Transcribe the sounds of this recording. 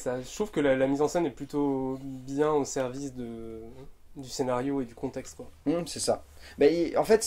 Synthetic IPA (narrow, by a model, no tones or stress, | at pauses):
saʃt̪χuvkəlalamizɑ̃sɛnɛplyt̪objɛ̃osɛʁvisd̪ə | d̪ysenaʁjoed̪ykɔ̃t̪ɛkst̪kwam̩sɛsabaiɑ̃fɛt̪